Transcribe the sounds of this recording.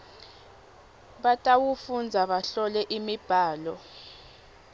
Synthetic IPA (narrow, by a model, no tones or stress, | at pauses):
ɓatʼawufund͡zʱaɓaɬɔlɛʔimib̥ʱaːlɔ